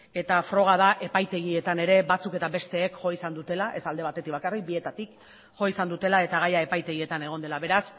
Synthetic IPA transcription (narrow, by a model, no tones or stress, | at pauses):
e̞t̪afɾo̞ɣ̞aðaʔe̞pajt̪e̞ɣ̞ie̞t̪ane̞ɾe̞bat͡suke̞t̪abe̞st̪e̞ːkʝo̞isand̪ut̪e̞laʔe̞sald̪e̞β̞at̪e̞t̪ikβakarik̚bie̞t̪at̪ik | ʝo̞isand̪ut̪e̞lae̞t̪aɣ̞ajae̞pajt̪e̞ɣie̞t̪ane̞ɣ̞o̞nd̪e̞laβe̞ɾas